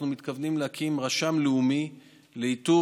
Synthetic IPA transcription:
numit̪kavnimlehakʰimʁaʃamleumi | leit̪u

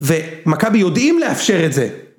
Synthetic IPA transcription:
vemakabijo̞dʔimleafʃe̞ʁetze

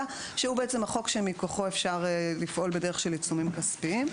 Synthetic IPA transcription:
a | ʃeubeet͡semhaχo̞kʃemikoχo̞efʃaʁelifʔo̞lbede̞ʁeχʃelit͡sumimkaspim

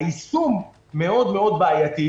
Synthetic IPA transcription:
isumː | eo̞d̪me̞o̞d̪̚baajat̪i

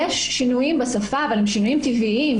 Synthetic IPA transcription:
eʃːinujimbesafaːvalimʃinujimt̪iviʔim

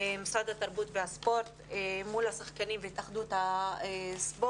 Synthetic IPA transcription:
emisad̪at̪aʁbut̪veaspo̞ɾt̪emulhasaχkanimveit̪aχd̪ut̪aesbo

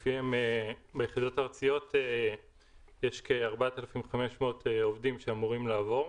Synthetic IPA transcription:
fiemebejeχid̪o̞taaʁt͡sijo̞t̪e | jeʃkeaʁbat̪alafimχame̞ʃmeot̪eovdimʃeamuʁimlaːvo̞ʁ

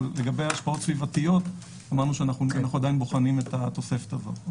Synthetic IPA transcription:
lleɡabe̞jaʃpao̞t̪svivatijo̞t | amaʁnuʃeanaχuanaχnuad̪ainbo̞χanimetat̪o̞se̞fe̥tava̰

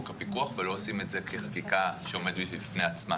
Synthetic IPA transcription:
kapikuaχvelo̞osime̞tzekliχḁkikaʃeo̞me̞d̪bibifneat͡sma̰

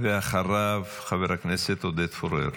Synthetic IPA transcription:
veaχaɾav | χaveɾhakneset̪od̪et̪foɾḛɾ

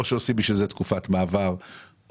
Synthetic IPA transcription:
ʃeosibiʃvilzet̪kufatmaːvaʁ

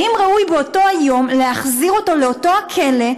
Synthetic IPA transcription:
imʁaujbeoto̞ajo̞mleaχziʁo̞to̞le̞oto̞akʰe̞le̞

